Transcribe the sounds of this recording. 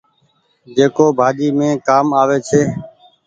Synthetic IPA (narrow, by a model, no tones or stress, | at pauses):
d͡ʒeːkoːbʱaːd͡ʒiːmẽːkaːmaːʋeːt͡ʃʰeː